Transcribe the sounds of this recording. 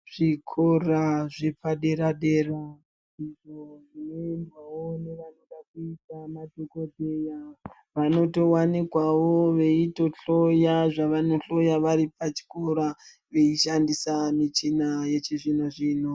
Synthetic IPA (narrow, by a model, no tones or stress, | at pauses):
ʐ̥ikʰoraʐepaɗe̞ɾaɗe̞ra | iʐoʐinoendwawoneʋanoɗakuitamadʱokodʱe̞ja | ʋano̞to̞wanikwawoʋe̞ito̞ɬo̞jaʐaʋano̞ɬo̞jaʋaɾipat͡ʃi̥koɾa | ʋe̞iʃandisamit͡ʃinaje̞t͡ʃeʐinoʐiːno